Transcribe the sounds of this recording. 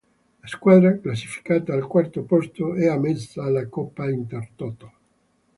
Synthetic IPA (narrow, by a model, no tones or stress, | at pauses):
laskwad̪ɾaklas̬ːi̥fi̥kaːt̪aːlkwart̪opɔst̪oɛamɛsaːlːakɔpːaint̪ert̪ɔt̪al